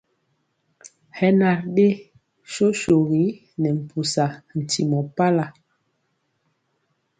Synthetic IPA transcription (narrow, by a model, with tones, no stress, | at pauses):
hɛ˦na˨ɾɗe˦ | ʃo˦ʃo˨ɣi˨˦ | nɛ˨m̩˨pʰu˨sa˨n̩˨ti˨mɔ˨pa˦la˨